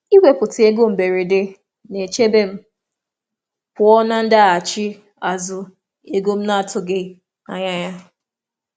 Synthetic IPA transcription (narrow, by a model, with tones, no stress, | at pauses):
i˦we˨pʊ˨tɪ˨e˦ɡo˦m̩˨be˨ɾe˨de˦ | ne˨t͡ʃe˦be˦m̩˦ | pʊ˨ɔ˦na˦n̩˦da˦a˨t͡ʃɪ˦ | a˨zʊ˨ | e˦ɡo˦m̩˦na˦a˨tʊ˦ɡe˨ | a̰˨ɲa˦ɲa˦